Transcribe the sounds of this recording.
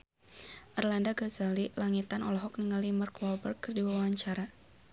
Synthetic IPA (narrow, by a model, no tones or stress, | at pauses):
ʔɛrlandaɡazalilaŋit̪anʔɔlɔɦɔk̚niŋalimarklɔbərkːɨrdiwawaɲt͡ʃaɾa